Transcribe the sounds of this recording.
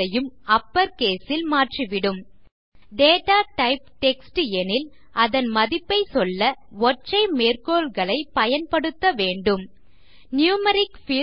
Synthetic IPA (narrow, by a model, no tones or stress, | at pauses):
ɐjɯmɐpːɐɾkeːsɪlmaːʈriʋɪɽɯm | ɖeːʈaːʈɐɪp̚ʈɛksʈɯɛnɪl | ɐðɐnmɐðɪpːɐɪsɔlːɐ | ʋɔʈrɐɪmeːrkoːɭɣɐɭɐɪpɐjɐnpɐɽɯt̪ːɐʋeːɳɖɯm | njuːmɐɾɪkfɪ